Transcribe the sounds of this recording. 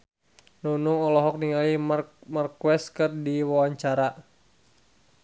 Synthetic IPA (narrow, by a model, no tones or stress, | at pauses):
nunʊŋɔlɔɦɔk̚niŋalimarkwɛskɨrdiwawaɲt͡ʃaɾa